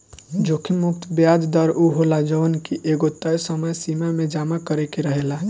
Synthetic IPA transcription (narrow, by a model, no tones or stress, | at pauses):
d͡ʒokʰimukt̪ʰbjad͡ʒd̪əɾuɦolad͡ʒonkiʔeɡot̪əjsəməjsimamed͡ʒamakəɾekeɾəɦela